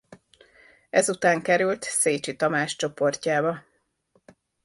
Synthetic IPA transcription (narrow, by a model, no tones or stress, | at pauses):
ɛzut̪aːŋkɛɾylt̪seːt͡ʃit̪ɒmaːʃt͡ʃo̞po̞rcaːbɒ